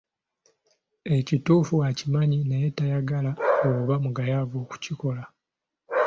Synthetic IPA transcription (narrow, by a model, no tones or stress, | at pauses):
e̞cituːfuacimaɲinejetajaɡalaoluβamuɡajavo̞ːku̥ciko̞la